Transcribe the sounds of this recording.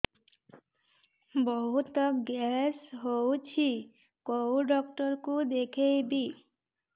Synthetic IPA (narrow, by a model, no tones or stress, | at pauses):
bɔɦut̪ːəkɡɛsɦowt͡ʃʰi | kowɖɔk̚ʈəɾkud̪ekʰejbi